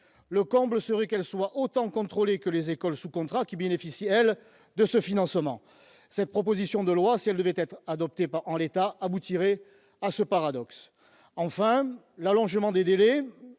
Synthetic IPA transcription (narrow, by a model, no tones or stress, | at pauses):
ləkɔ̃bləsəʁɛkɛlswaʔot̪ɑ̃kɔ̃t̪χɔlekəlezekɔlsukɔ̃t̪χakʲibenefisiɛl | d̪əsəfinɑ̃smɑ̃ | sɛt̪̚pχɔp̬ozisjɔ̃d̪əlwasiɛld̪əvɛt̪ɛt̪χad̪ɔp̚t̪epaʁɑ̃let̪aabut̪iʁe | asəpaʁad̪ɔks | ɑ̃fɛ̃ | lalɔ̃ʒmɑ̃d̪ed̪elɛ